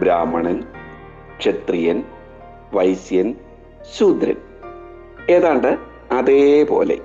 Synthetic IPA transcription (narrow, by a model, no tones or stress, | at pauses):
bɾaːmːɐɳɐn | ʂet̪rijɐn | ʋɐjsjɐn | suːd̪ɾɐ̰n | eːðaːɳɖɨ | ɐðepo̞̰ːle̞̰